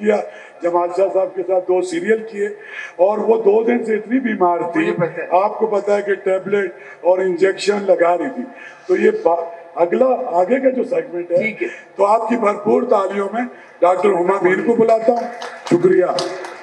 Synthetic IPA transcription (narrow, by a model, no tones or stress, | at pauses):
ija | d͡ʒɐmaːʃasaːb̚kesaːt̪̚ʰd̪oːsiːɾijəlkieɔːɾʋod̪oːd̪ɪnseɪt̪nibʱiːmaːɾt̪ʰiaːp̚kopɐt̪aɛkeʈeːbleʈ | ɔːɾɪ̃nd͡ʒeːkʃənlɐɡaːɾiit̪ʰiː | t̪ojebaɐɡlaaːɡekad͡ʒoːseːɡmẽɳʈɦɛiːkt̪oaːp̚kibʱɐɾpuːɾt̪aːlijõmẽ | ɖaːk̚ʈəɾɦʊmabʱiːɾkobʊlaːt̪aɦʃʊkɾijaː